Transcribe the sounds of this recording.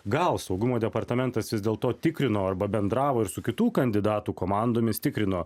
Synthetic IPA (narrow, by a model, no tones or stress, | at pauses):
ɡɐlˠsɒʊɡʊmoːd̪ʲɛpɐɾt̪ɐmʲɛnt̪ɐsʋʲɪzd̪ʲeːlˠt̪oːt̪ʲɪkɾʲɪnoːɐɾbɐbʲɛnd̪ɾɑːʋoːɪɾsʊkʲɪt̪uːkɐnʲd̪ʲɪd̪ɑːt̪uːkoːmɑnd̪oːmʲɪst̪ʲɪkɾʲɪnoː